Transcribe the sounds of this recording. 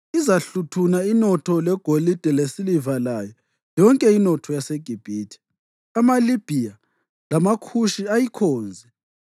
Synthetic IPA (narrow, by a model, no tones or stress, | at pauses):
izaɬutʰunainɔtʰɔlɛɡ̥ʱolid̥ʱɛlesilivalajɔ | jɔŋkʼɛinɔtʰɔjaseɡ̥ʱib̥ʱiːtʰi̥ | amalib̥ʱija | lamakʰuʃiajikʰɔːnd͡zʱɛ